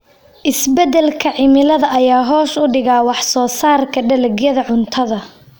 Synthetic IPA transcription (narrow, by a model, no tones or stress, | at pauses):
ʔɪsbɛd̪ɛlkʰɐʕɪmɪlɐðɐʔɐjaːɦɔːʃʊɖɪɣaːwɑħsɔːsaːrkʰɐɖɐlɛɡjɐðɐʕʊnt̪ʰɐðɐ